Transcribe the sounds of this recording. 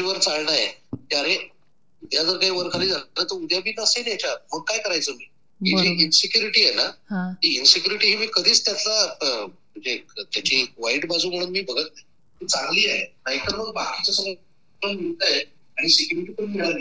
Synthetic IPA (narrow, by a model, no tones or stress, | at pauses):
iʋəɾt͡saɭɳajet̪jaɾe | ud̪ʱjad͡zəɾkaɦiːʋəɾkʰaliːd͡zaaɾət̪əɾud̪ʱjabiːnasenjat͡ɕaməɡ̚kajkəɾajt͡səmiː | ɦid͡ʑiːinsikjuɾiʈiːejnaɦaɦiinsikjuɾiʈiɦimiːkəd̪ʱiːt͡st̪jat̪laəm̤əɳd͡zet̪jat͡ɕiʋaiʈbad͡zʱuːm̤əɽ̃uːnmiːbəɡət̪̚nai | mət͡saŋɡliːenait̪əɾməɡbakit͡ɕasəmə | əɳmilt̪aje | aɽ̃isikjuɾiʈiːpəɳmiɭaɾ